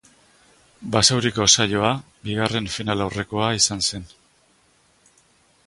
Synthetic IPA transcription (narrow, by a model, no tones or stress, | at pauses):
basawɾiko̞sajo̞a | biɣare̞ɱfinalawre̞ko̞aisanse̞n